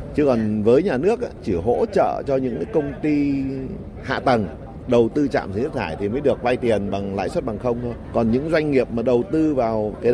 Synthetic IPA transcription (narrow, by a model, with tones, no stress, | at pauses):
t͡ɕɨ˧kɔ˨˩nvəː˨˦jɲaː˨˩nɨ˦˥ək̚ʔa̰ː˧˦t͡ɕi˧˩ɦo̰˧˥t͡ɕə̰ː˧˨t͡ɕɔ˧ɲɨ̰˧˥ŋkaː˨˦jkə˧wŋ͡mt̪i˧ | ha̰ː˧˨t̪ə˨˩ŋ | ɗə˨˩wt̪ɨ˧t͡ɕa̰ː˧˨msŋ˦˥k̪̚ʰaː˧˩jt̪ʰi˨˩məː˨˦jɗɨ˨˩ək̚va˧jt̪i˨˩ənɓa˨˩ŋla̰ː˧˥jswə˦˥t̚ɓa˨˩ŋxə˧wŋ͡mt̪ʰo˧jjkɔ˨˩nɲɨ̰˧˥ŋzwa˧jŋ̟ŋi˨˩əp̚maː˨˩ɗə˨˩wt̪ɨ˧vaː˨˩wkaː˨˦j